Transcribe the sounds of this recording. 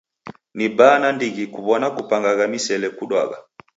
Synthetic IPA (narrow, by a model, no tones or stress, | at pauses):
nibanandiɣikuβɔnakupaŋɡaɣamisɛlɛkuɗwa̰ɣa̰